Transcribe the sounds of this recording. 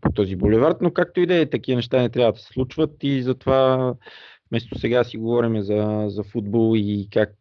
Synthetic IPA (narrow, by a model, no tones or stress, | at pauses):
pot̪ɔzibolɛvaɾt̪nokak̚t̪oid̪ɛt̪ɐkivənɛʃt̪anɛt̪ɾʲavəd̪ɐ̥sɛ̥slˠut͡ʃvət̪izɐt̪ova | fmɛst̪o̥sɛɡasiɡovɔɾimɛzɐzɐfud̪̚bolˠikak̚